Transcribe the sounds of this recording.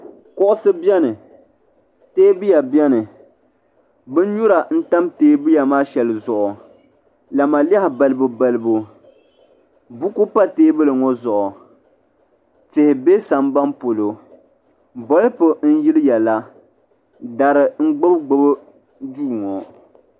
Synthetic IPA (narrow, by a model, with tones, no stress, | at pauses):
kɔ˦ʔʊ˦sɨ˦bjɛ˦nɨ˨ | teː˦bi˦ja˨bjɛ˦nɨ˨ | bɨ˦n˦ɲu˦ɾa˨n̩˦ta˦mteː˦bɨ˦ja˨maː˦ʃɛ˨lɨ˨zʊ˨ʔʊ˨ | la˨ma˨li˦ɛ˦hɪ˨ba˨lɨ˦bu˨ba˦lɨ˦bo˦ | bu˦ku˦pa˦teː˦bɨ˦lɨ˨ŋɔ˦zɔ˨ʔʊ˨ | tɪ˨hɪ˨be˦sa˨mba˦mpo˨lo˨ | bɔ˦lpo˨n̩˦ji˦lɨ˦jɛ˨la˦ | da˨ɾɨ˨ŋ͡m̩˦ɡ͡bʊ˦bɡ͡bʊ˦bɨ˦ | duː˦˨ŋɔ˨